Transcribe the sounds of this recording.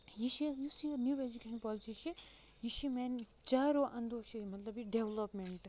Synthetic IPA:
jiʃijusiɐnjued͡ʒukeʃnpɔliʈiʃi | jiʃimen | t͡ʃaːɾoʔɐ̃nd̪oʃimɐt̪lɐbiɖeʋlɐpmeɳʈ

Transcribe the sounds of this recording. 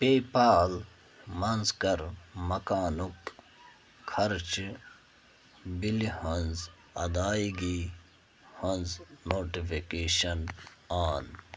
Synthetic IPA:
peːpaːl | mɐnzkɐɾmɐkaːnuk | kʰːɐɾt͡ʃ | bilihɐnz | ɐ̰d̪aːiɡi | hɐnznoːʈifikeːɕɐnaːn

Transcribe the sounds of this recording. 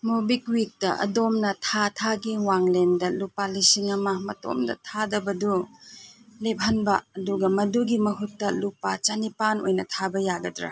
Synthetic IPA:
mobikwik̚tɐʔɐ̰domnɐtʰatʰaɡiwaŋlendɐlupalisiŋɐmɐmɐ̰to̰mdɐ̰tʰadɐbɐdu | lep̚ɦɐnbɐɐduɡɐmɐduɡimɐɦutːɐlupat͡ʃanipano̰jnɐtʰabɐjaɡɐdɾa̰

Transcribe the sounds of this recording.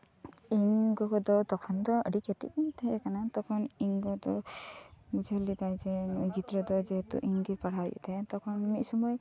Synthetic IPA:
iŋkɔkɔd̪ɔt̪ɔkʰɔnd̪ɔə̰ɖiket̪ḭkint̪ʰaekanat̪ɔkʰɔniŋɡɔd̪ɔ | ɡud͡ʒɔlit̪ajd͡ʒeɡit̪ɾɔd̪ɔd͡ʒeɦet̪ṵʔiŋɡipaɽ̤ajṵt̪ʰat̪ɔkʰɔnmisɔmɔj

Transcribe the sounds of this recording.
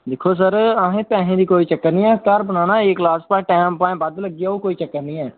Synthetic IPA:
d̪ɪkʰoːs̬əɾəɦẽːpɛ̃ːɦẽːd̪iːkoːiːt͡ʃəkːəɾnĩːɛːk̪əɾbənaːnãːɪklaːspãːʈɛːmpãːẽːbəd̪ləɡijaːoːkoːiːt͡ʃəkːəɾnĩːɛː

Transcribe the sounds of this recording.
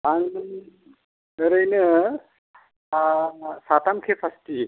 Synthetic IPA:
aŋ | ɾɯjnɯ | sat̪amkʰepʰasti

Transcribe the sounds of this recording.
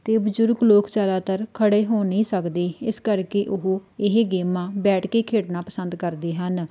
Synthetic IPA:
t̪eːbəd͡ʒʊɾɡloːkd͡ʒaːd̪aːt̪əɾkʰəɽeːɦoːnĩːsəkd̪eːɪskəɾkeːʔʊɦoːɪɦɡeːmãːbɛːʈkeːkʰeːʈnãːpəsənd̪kəɾd̪eːɦən

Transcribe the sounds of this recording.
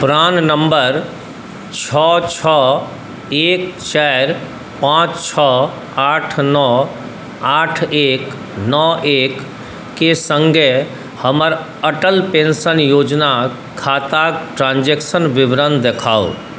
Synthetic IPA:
pʊɾaːnnəmbəɾ | t͡ʃʰɔt͡ʃʰɔ | eːkt͡ʃaɾ | pãːt͡ʃt͡ʃʰɔ | aːʈʰnɔ | aːʈʰeːk | nɔʔekː | esə̃ŋɡʱe | həməɾ | əʈəlpẽnsənjoːd͡ʒna | kʰaːt̪aʈɾãːnd͡ʒeksənʋɪʋɾənd̪ekʰaːo̰

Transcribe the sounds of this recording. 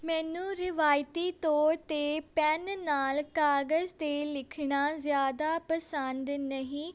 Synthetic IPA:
mɛːnũːɾɪʋaːjt̪iːt̪ɔːɾt̪eːpɛnnaːlkaːɡəzt̪eːlɪkʰɳaːzjaːd̪aːpəsənd̪nəɦĩː

